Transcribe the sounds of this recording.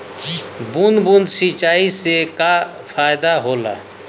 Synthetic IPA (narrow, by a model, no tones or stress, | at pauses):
bunbunsit͡ʃaːiseka | pʰaːɪd̪aɦoːla̰ː